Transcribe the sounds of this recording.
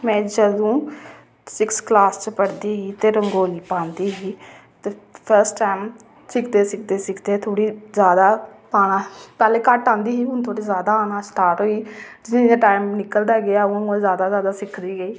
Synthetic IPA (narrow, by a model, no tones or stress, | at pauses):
mɛ̃ːd͡ʒəd̪õː | sɪksklaːst͡ʃpəɽd̪iːɦiːt̪eːɾəŋɡoːliːpãːnd̪iːɦiː | t̪eːpʰəɾsʈaːɪm | sɪkʰd̪eːsɪk̚ʰd̪eːsɪkʰd̪eːt̪ʰoːɽiːzjaːd̪aːpaːnãːpɛːlẽːkəʈːãːnd̪iːɦiːɦʊnt̪ʰoːɽiːzjaːd̪aːaːnãːsʈaːɾʈɦoːiːd͡ʒɪnãːʈaːɪmnɪkəld̪aːɡɪaːʊ̃ozjaːd̪aːzjaːd̪aːsɪkʰd̪iːɡəiː